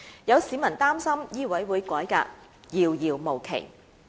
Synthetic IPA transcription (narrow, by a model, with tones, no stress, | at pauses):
jɐ˨˧wsiː˨˧˥mɐ˨˩nt̪aː˥msɐ˥mjiː˥wɐ˨˥jwuː˨˧jkɔː˨˥jka̰ː˧k̚ | jiː˨˧wjiː˨wmo˨˩wkʰḛ˨˩j